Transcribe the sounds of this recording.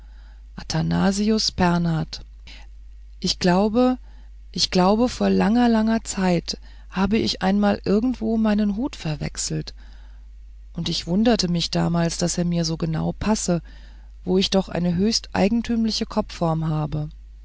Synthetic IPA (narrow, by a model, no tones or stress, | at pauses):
ʔatʰana̰ːziʊsb̥ɛɐnaːt | ʔɪçɡ̥laʊbə | ʔɪçɡ̥laʊbəfoːɐlaŋɐlaŋɐt͡saɪt | haːbəʔɪçʔa̰ɪnmaːlʔɪɐɡŋ̩tv̥oːmaɪnənɦoːtfɛɐvɛ̰ksl̩t | ʔʊntɪçv̥ʊndɐtəmɪçd̥a̰ːmaːlsd̥aseːɐmiːɐzoːɡəna̰ʊpʰasə | voːɪçd̥ɔχʔa̰ɪnəɦøːçstʔa̰ɪɡŋ̩tʰyːmlɪçəkʰɔp͡fːɔɐmɦaːbə